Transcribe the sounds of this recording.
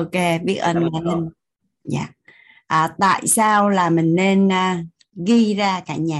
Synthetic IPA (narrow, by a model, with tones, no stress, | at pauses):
o˧ke˧vi˦˥ək̚ʔə˧nma˧˩nə˧n | ɲa̰ː˧˩ | ʔaː˨˩t̪a̰ː˧˨jsaː˧wlaː˨˩mï˨˩ŋ̟ne˧nː˧ | ɣi˧zaː˧kaː˧˩ɲaː˨˩